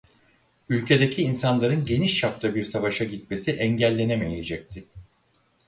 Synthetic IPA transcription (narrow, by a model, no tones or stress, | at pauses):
ylʲcʰe̞d̪e̞cʰiːnsanlˠaɾɯnɟe̞niʃːap̚t̪abiɾsavaʃaɟit̪̚me̞siʔɛɲɟælʲːe̞neme̞je̞d͡ʒɛc̚t̪ʰɪ